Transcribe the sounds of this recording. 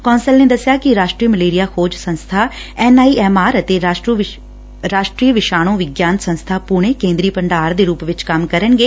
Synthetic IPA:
kɔːnsəlneːd̪əsɪjaːkɪɾaːʃʈɾiːməleːɾijaːkʰoːd͡ʒsə̃nst̪ʰaːɛːnaːiːʔɛːmaːɾət̪eː | ɾaːʃʈɾiːʋɪʃaːɽ̃õːʋɪɡjaːnsə̃nst̪ʰaːpʊɳ̃eːkẽːnd̪ɾiːpəɳɖaːɾd̪eːɾuːpʋɪt͡ʃkəmkəɾənɡeː

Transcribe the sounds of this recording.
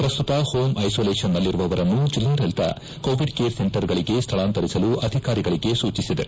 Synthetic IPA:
pɾɐst̪ut̪ɐhoːmɐjsoːleːʂɐnːɐlːiɾuʋɐʋɐɾɐnːud͡ʒilːɐɾɛlt̪ɐ̰ | ko̞ːʋiɖkeːɾse̞ɳʈɐɾɡɐɭiɡe̞st̪ʰɐɭaːnt̪ɐɾisɐluʔɐd̪ʱikaːɾiɡɐɭiɡe̞suːt͡ʃisid̪e̞̰

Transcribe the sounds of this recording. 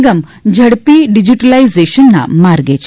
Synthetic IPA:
ɡəmd͡ʑʱəɽpiːɖid͡ʑiʈəlaizeɕənːa̰maɾɡet͡ɕ

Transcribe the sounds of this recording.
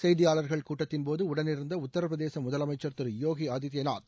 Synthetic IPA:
sɛjðɪjaːlɐɾɣɐɭkuːʈːɐt̪ːɪnpoːðɯʊɽɐnɪɾɯnd̪ɐʊt̪ːɐɾɐpɾɐðeːsɐmʊðɐlɐmɐɪt͡ʃːɐɾt̪ɪɾjoːɣiɐd̪ɪt̪jɐna̰ːt̪

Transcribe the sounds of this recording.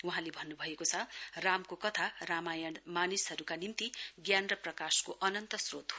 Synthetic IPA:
uɦãlebʱʌnːubʱʌekot͡sʰʌramkokʌt̪ʰaramajʌnmanisɦʌɾukanimt̪iɡjanrʌprʌkaskoʔʌnʌnt̪ʌsrot̪ɦo

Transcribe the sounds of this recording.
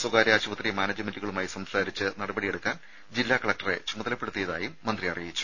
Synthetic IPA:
swuɡaːɾɐaːɕuʋɐt̪rijɐmaːnɐd͡ʑɨmenduɣɐɭumaːjisɐmsaːɾit͡ɕːɨnɐɽɐbɐɽije̞ɽukːaːn | d͡ʑilːaːkɐɭɐk̚ʈɐre̞̰t͡ɕumɐðɐlɐpːeɽut̪ːijɐða̰ːjumːɐnd̪rijɐrijɐjit͡ɕːu̥

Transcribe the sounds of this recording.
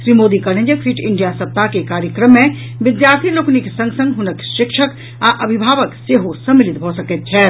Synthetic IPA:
ʃɾimoːd̪ikəɾnẽd͡ʒəkfʰiʈʰɪɳɖijasəp̚t̪akekaːɾjəkɾəmːẽ | ʋɪd̪jaɾt̪ʰilokniksə̃ŋɡsə̃ŋɡɦunəkʃɪkʃʰək | aʔəbʱibʱaːʋəkseɦosəmːilit̪bʱosəkɛt̪̚t͡ʃʰɛː

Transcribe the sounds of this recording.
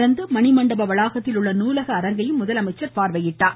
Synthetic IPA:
ɾɐnd̪ɯmɐnɪmɐɳɖɐbɐʋɐɭaːɣɐt̪ːɪlɯɭːɐnuːlɐɣɐːɾɐŋɡɐjɯmːʊðɐlɐmɐɪt͡ʃːɐɾpaːɾʋɐjɪʈːaːɾ

